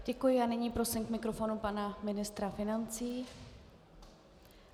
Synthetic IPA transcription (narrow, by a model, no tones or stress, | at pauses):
ɟ̥ɛkujɪanɪɲiːpɾo̞sɪmkmɪkɾo̞fo̞nupanamɪnɪst̪ɾafɪnant͡siː